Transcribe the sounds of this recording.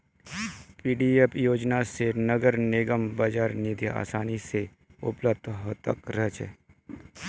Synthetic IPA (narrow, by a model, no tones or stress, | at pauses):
piːɖiepʰjoːd͡ʒnasenəɡəɾneːɡəmbɐd͡ʒaːɾnid̪ja̰ːsaːnise | ʊ̰pləb̚d̪ʱɦot̪əkɾət͡ʃɛ̰ː